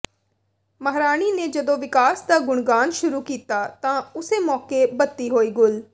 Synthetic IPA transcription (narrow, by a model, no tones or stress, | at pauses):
məɦɾaːñiːneːd͡ʒəd̪õːʋɪkaːsd̪aːɡʊɳɡaːnʃʊɾuːkiːt̪aːt̪ãːʊseːmɔːkeːbət̪ːiːɦoːiːɡʊl